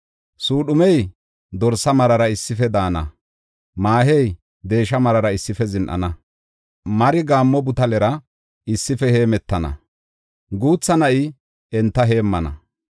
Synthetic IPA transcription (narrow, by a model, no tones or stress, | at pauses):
suːɗʊmɛj | d̪ɔɾsɐmɐɾɐɾɐɪsːɪfɛd̪aːnɐ̰ | maːɦɛj | d̪e̞ːʃɐmɐɾɐɾɐɪsːɪfɛzɪnʔɐ̰nɐ | mɐɾɪɡaːmːɔbʊt̪ɐlɛɾɐ | ɪsːɪfɛhe̞ːmɛt̪ːɐnɐ̰ | ɡuːt͡sːɐnɐʔɪ | ɛnt̪ːɐɦe̞ːmːɐnɐ̰